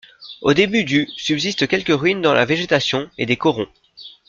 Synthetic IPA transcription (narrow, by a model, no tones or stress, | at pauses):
od̪ebyd̪ysybzist̪kʲɛlkʲəʁɥind̪ɑ̃lʔa̰veʒet̪asjɔ̃ed̪ekɔʁɔ̃